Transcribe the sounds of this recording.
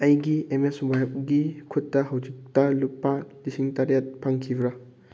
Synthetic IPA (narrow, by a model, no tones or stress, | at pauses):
ɐjɡiemeswajb̚ɡikʰutːɐɦɐwd͡ʒik̚tɐlupːalisiŋtaɾjat̚pʰaŋkʰibɾɐ